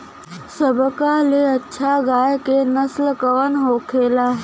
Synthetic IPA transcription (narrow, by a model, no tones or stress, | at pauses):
səbʱəkaleətːʃʰaɡaːjkenəslkəʋənɦokʰeːlaː